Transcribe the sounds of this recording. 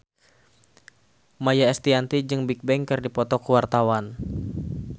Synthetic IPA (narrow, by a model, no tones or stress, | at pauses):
majaɛst̪iant̪id͡ʒɨŋbik̚bɛŋkɨrdipɔt̪ɔkuwart̪awan